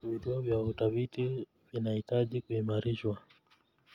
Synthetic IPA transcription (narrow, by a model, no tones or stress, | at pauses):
vituɔvjautafiti | vinahitaʄikuimaɾiʃwa